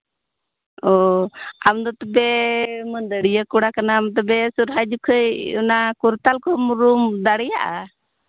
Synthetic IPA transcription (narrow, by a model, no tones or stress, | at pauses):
ɔamd̪ɔt̪ɛbɛmənd̪əɽijəkuɽakanamt̪ɔbɛsuɾɦad͡ʒukʰəjṵnakuɾt̪alkɔmɾumd̪aɽɛjaʔa